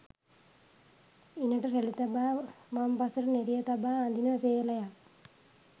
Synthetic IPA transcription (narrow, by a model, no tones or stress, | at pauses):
inɐʈɨrelit̪ɐbamampɐsɐɾneɾijɐt̪ɐbaːnd̪inɐɐseɐlɐja